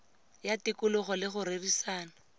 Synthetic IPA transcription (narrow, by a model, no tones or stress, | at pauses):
jatɪkʊlʊχɔlɪχʊɾerisaːna